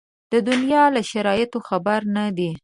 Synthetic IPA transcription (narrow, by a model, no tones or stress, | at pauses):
d̪̥əd̪ʊnjɑlaʃaɾɑjɪt̪oxabaɾnad̪i